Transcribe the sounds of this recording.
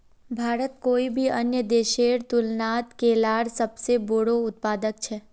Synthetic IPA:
bʱaːɾət̪koːibʱiɐnjəd̪eːʃeːɾt̪ʊlnaːt̪keːlaːɽsəbseboːɽoʊt̪̚paːd̪əkt͡ʃʰɛː

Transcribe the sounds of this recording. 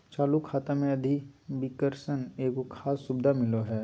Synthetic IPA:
t͡ʃaːlukʰaːt̪amẽɐd̪ʱibɪkəɾʃəneːkokʰaːsːʊbd̪ʱamɪloɦɛː

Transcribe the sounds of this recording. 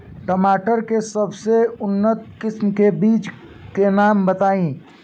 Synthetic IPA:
ʈəmaːʈəɾkesɐbseʊnːət̪̚kɪsmkebiːt͡ʃ | kenaːmbɐt̪aːĩː

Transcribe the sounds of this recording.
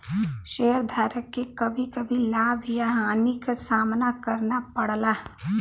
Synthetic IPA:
ʃeːəɾd̪ʱaːɾəkːekɐbʱikɐbʱilaːbʱjaɦaːnikasaːmnakəɾnapəɽlaː

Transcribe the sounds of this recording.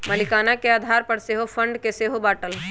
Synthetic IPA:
mɐlɪkaːnakeaːd̪ʱaːɾpɐɾseːɦofʰə̃ɳɖkeseːɦobaːʈəl

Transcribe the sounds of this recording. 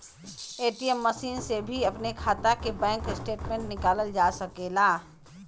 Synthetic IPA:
eːʈiemːəsiːnsebʱiɐpnekʰaːt̪akebɛ̃ːŋkɪsʈeːʈmẽɳʈnɪkaːləld͡ʒaːsəkeːlaː

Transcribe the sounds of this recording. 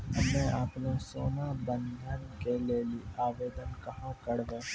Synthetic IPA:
mɛ̃aːpnesoːnabə̃nd̪ʱənkeleːliːaːʋeːd̪ənkɐɦãkəɽʋeː

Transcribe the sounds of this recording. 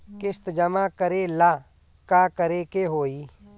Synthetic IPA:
kɪst̪d͡ʒəmakəɾelaː | kaːkəɾekeɦoːiː

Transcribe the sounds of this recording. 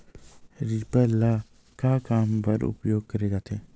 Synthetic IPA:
ɾipəla | kakaːmpɐɾʊ̰pjoːɡ̚kəɾed͡ʒaːt̪ʰeː

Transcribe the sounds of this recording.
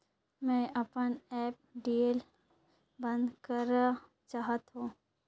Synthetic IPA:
mɛ̃ʔɐpənɛːp̚ɖiːel | bə̃nd̪kəɾ | t͡ʃaːɦət̪ɦõː

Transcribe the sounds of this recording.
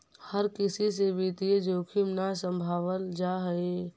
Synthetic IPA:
həɾkɪsis̬ebʱit̪ied͡ʒoːkʰimnasə̃mbʱaːʋəld͡ʒaɦəe

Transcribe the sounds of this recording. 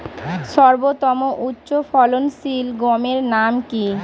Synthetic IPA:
ʃɔɾbot̪ɔmoʔutːɕofɔlonsilɡɔmeɾnamki

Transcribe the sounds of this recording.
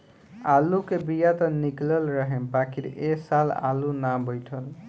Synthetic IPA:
alukebijat̪ʌniklʌlɾʌɦembakʰiɾʔesala̰lunabʌjʈʰʌl

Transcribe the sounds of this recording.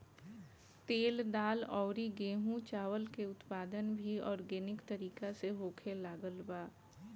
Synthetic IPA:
t̪eːld̪aːlɔːɾiɡeːɦũt͡ʃaːʋəlkeʊt̪paːd̪ənbʱiɔːɾɡeːnɪkt̪əɾiːkaseɦoːkʰelaːɡəlbaː

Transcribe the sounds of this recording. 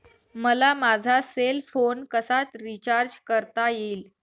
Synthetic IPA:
məlamad͡zʱaselfonkəsat̪ɾit͡ɕaɾd͡ʑkəɾt̪ajeːl

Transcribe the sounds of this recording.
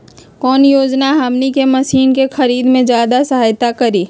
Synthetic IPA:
kɔːnjoːd͡ʒnaɦɐmnikemɐsiːnkexɐɾiːd̪mẽd͡ʒjaːd̪asɐɦaːjt̪akɐɾiː

